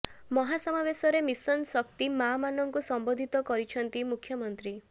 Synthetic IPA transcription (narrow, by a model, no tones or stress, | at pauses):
mɔɦasɔmabesɔɾemisɔnsɔkt̪imamanɔŋkusɔmbod̪ʱit̪ɔkɔɾit͡ʃʰɔnt̪imukʰjɔmɔnt̪ɾi